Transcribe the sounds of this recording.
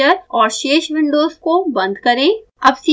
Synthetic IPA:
əɾɔːɾʃeːʃʋɪ̃ɳɖoːzkobɐ̃nd̪kɐɾẽɐbsi

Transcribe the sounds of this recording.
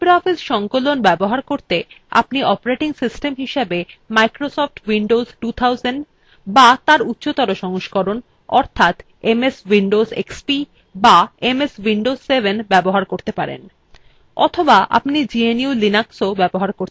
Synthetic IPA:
bɾɔfisʃɔŋkolonbɛboɦaɾkoɾt̪e | a̰pniɔpɾeʈiŋsisʈemɦiʃebemajkɾosɔfʈwiɳɖozʈut̪ʰawzenɖ | bat̪aɾut̪ːɕot̪aɾoʃɔŋoʃkɔɾon | ɔ̰ɾt̪ʰat̪ | emeswiɳɖozḛkspi | baemeswiɳɖozːebʱenbɛboɦaɾkoɾt̪epaɾḛn | ɔ̰t̪ʰobaʔa̰pnid͡ʑieniulinaksobɛboɦaɾkoɾ

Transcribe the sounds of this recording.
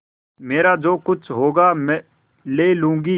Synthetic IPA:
meːɾad͡ʒoːkʊt͡ʃʰɦoːɡaːmɛ̃ | leːlũːŋɡiː

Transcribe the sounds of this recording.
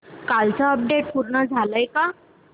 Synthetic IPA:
kalt͡saəp̚ɖeʈ̚pʰuɾɳad͡zʱalajka

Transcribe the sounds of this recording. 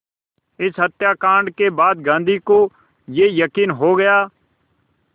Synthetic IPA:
ɪsɦət̪jaːkãːɳɖkeːbaːd̪ɡãːnd̪ʱiːkõː | jeːjəkiːnɦoːɡəjaː

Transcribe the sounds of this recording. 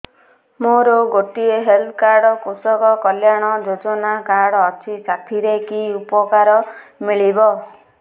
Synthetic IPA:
moɾoɡoʈieɦelt̪ʰkaɾɽɔkosɔkɔkɔljaɽ̃ɔd͡ʒod͡ʒɔnakaɽɔːt͡ʃʰit͡ʃapʰiɾekiupɔkaɾɔmiɭibɔ

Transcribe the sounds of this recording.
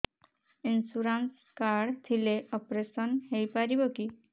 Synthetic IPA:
insuɾans | kaɾɖt̪ʰileɔpɾesɔnhejpaɾiboki

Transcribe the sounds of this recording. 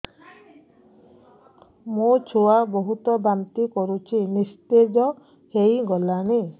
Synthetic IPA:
mũt͡ʃʰoaboɦut̪ɔbamt̪ikɔɾut͡ʃʰinist̪ed͡ʒɔ | hejɡɔlani

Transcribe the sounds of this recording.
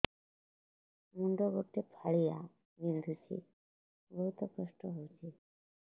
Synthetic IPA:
muɳɖɔɡopʈːepʰaɭija | mild̪ʱut͡ʃʰḭ | bɔɦut̪ɔpɾɔsʈɔɦowt͡ʃʰi

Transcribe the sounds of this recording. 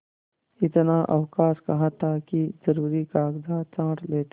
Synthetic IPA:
ɪt̪naʔɐ̰wkaːskɐɦãt̪ʰakizɐɾuːɾikaːɡd̪at͡ʃãːʈleːt̪

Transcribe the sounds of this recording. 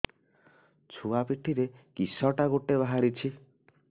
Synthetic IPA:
t͡ʃʰuapiʈʰiɾekisɔʈaɡoʈeβaɦaɾit͡ʃʰi

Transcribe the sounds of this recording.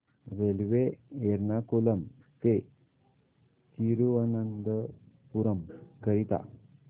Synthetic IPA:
ɾelʋeeɾnakoləm | t̪e | t͡ɕiɾuənənd̪əpuɾəmkəɾit̪a̰

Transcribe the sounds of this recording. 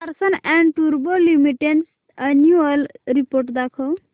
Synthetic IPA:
pəɾsənɛ̃ɳɖʈuɾbolimiʈeɳs | ənjuəlɾipoɾʈd̪akʰəw

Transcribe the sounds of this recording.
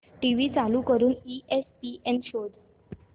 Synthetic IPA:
ʈiʋiːt͡saluːkəɾuːniespiːʔenɕod̪

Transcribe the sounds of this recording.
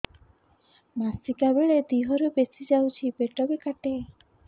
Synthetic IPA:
masikabeɭed̪iɦɔɾubesʰid͡ʒawt͡ʃʰibeʈɔbekaʈe

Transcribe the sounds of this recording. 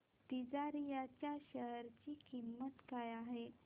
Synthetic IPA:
t̪id͡zaɾijat͡ɕjaɕəɦəɾt͡ɕiːkimːət̪kajaɦe

